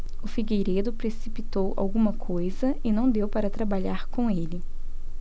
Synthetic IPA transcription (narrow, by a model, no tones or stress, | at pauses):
ʊfiɡejɾed̪ʊpɾesipit̪owa̰wɡũmɐkʰojzɐɪnɐ̃w̃d̪ewpaɾɐt̪ɾabaʎaɾkõelɪ